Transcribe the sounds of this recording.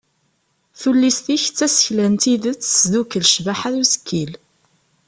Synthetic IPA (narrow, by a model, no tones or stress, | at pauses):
θulːist̪içt͡sːæsə̥çlænt̪iðət͡sːsðukːəlʃvaħaðuzə̥kʰːil